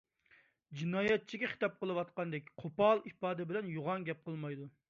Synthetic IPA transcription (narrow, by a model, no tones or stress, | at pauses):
d͡ʒinɑːjɛt̪̚t͡ʃʰiɡʲɛχi̥t̪ɑp̚qəlˠɨwɑt̪̚qɑnd̪ɛk̚ʲqʰopɑlˠipɑːd̪ɪbɪlɛnjoʁɑŋɡʲɛp̚qʰəlˠmɑjd̪u